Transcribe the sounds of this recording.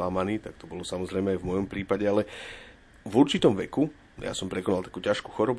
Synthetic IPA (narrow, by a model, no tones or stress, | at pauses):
amaniːt̪akt̪ɔbɔlɔsamɔzɾɛjmɛajvmɔjɔmpɾiːpaɟɛalɛ | vuɾt͡ʃit̪ɔmʋɛku | ja̰sɔmpɾɛkɔnalt̪akuːcaʃkuxɔɾɔb